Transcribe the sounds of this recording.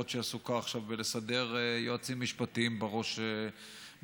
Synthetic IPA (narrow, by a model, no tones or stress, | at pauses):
otʃeasukaːχʃavːele̞sade̞ʁejoat͡simːiʃpatimbeʁo̞ʃe